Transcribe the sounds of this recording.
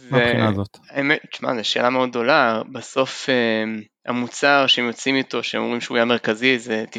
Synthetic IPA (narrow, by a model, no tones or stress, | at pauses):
zeinazot̪aemet͡ʃma̰zeʃe̞ːlameo̞d̪̚do̞labaso̞fe | a̰mut͡saʁʃehemjo̞t͡simit̪o̞ʃeemo̰mʁimʃeujameʁkazizet̪i